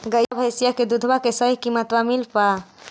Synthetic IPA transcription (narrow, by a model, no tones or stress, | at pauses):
ɡəjabʱəjsijaked̪ud̪ʱbakesəɦikimət̪wamilpa